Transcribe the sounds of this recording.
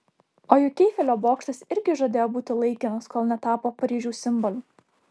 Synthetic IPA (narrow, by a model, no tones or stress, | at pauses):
oːjʊkʲɛɪfʲɛlʲoːboːkʃʲt̪ʲɐsɪɾʲɡʲɪʒoːd̪ʲeːjoːbuːt̪ʲɪlˠɐɪkʲɪnɐskoːlˠnʲɛt̪ɑːpoːpɐɾʲiːʒʲuːsʲɪmbɔlʲuː